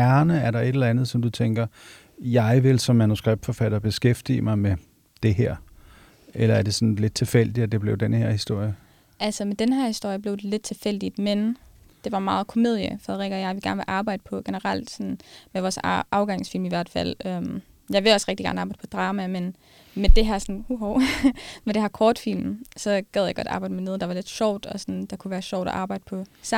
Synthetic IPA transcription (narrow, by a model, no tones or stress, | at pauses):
æɐnəæɐɾɑ̈e̥elɐænð̞̩ˠsɒ̽md̥ut͡sʰeŋɡ̥ɐ | jɑ̈ɪʋe̝lsɒ̽mːænusɡ̥ʁɛb̥̚d̥fɒ̽fæɾ̥ɐb̥e̝sɡ̥efd̥ḭːəmɑ̈ɪme | d̥e̝ɦeɐ̰ | ʔelɐæɐd̥e̝sɒ̽nle̝d̥̚t͡sʰe̝fel̰d̥idæd̥e̝b̥le̝ʊdenəheɐ̰hisd̥o̝ɐ̰jə | ʔælsəmed̥enhæɐhisd̥o̝ɐ̰jəb̥le̝ʊd̥e̝le̝d̥̚t͡sʰe̝fel̰d̥id̥mend̥e̝ʋɑ̈mɑ̈ːð̞̩ˠkʰo̝me̝ð̞ˠjə̰fʁɛðˠʁiɡ̥ɒjɑʋiɡ̥æɐnʋe̝ʔɑ̈ːb̥ɑ̈ɪ̰d̥ə̥pʰɒ̽ɡ̥enəʁɑl̰d̥sɒ̽nmeʋɒːsʔɑ̈ʊɡ̥ɑ̈ŋsfil̰miʋæɐ̰d̥fæl̰øm | jɑ̈ɪʋe̝ɒ̽sʁɛɡ̥d̥iɡ̥æːn̩ɑ̈bɑ̈ɪd̥pʰɔd̥ʁɑ̈ːmæmen | med̥e̝ɦæɐsɒnhuɦoʊmend̥e̝hæɐkʰɒːd̥fil̰msɒ̽ɡ̥æðˠjɑ̈ɡ̥ɒ̽d̥ɑ̈ːb̥ɑ̈ɪdəmene̝ðˠd̥ɑ̈ʋɑ̈le̝d̥ɕɒʊ̰d̥ɒ̽sɒnd̥ɑ̈kʰuʋæːɐɕɒʊ̰ɾ̥ɒ̰ʔɑ̈ːb̥ɑ̈ɪ̰d̥ə̥pʰɒ̽s